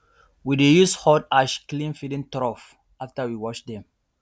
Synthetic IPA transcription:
widejushɔdaʃklĩnfidĩntɾɔf | aftəwiwɔt͡ʃd̪ɛ̃m

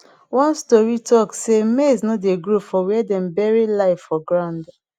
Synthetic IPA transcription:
wɔ̃nstɔɹitʰɔksemeznodeɡɹofɔwɛɛdɛ̃mbɛɹilaɪffɔɡɹãnd

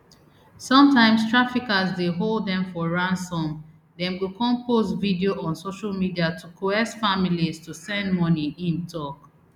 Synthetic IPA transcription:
sɔ̃mtãɪ̃mstɹ̥afikazdeɦolˠdɛ̃ɱfɔɹãnsɔ̃m | dɛ̃nwikʰɔ̃mpʰosvidioʔɔ̃nsoʃalmidiatʰukʰoɛsfamilistusɛ̃ndmɔniʔĩntʰɔk

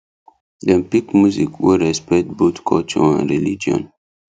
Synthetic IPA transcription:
dɛ̃mpikmjuzikwɔɹɛspɛtbotkʰɔ̰lt͡ʃɔ̰ã̰nɹilid͡ʒiɔ̰̃n

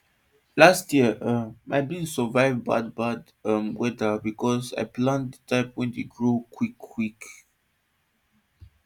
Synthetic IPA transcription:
lastjiəʔəmaɪbĩsəvaɪvba̰d̚bad | əmwɛdəbikɔsa̰ɪplãndətʰaɪpwɛ̃ndeɡɹokʰwikʰːwik

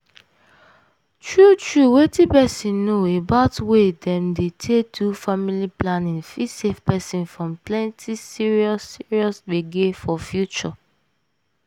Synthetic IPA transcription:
tɹutɹuwetipɛsĩnnoebaʊtwedɛ̃mdetʰetʰufamiliplanĩŋfisefpɛsĩnfɹɔ̃mplɛ̃ntʰisiɹiɔsiɹiɔsbeɡefɔfjut͡ʃɔ

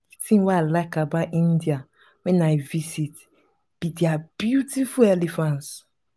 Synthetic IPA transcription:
itĩŋwealaɪkabatĩndia | wɛ̃naɪvisit | b̥idɛab̥jutifulɛlifãns

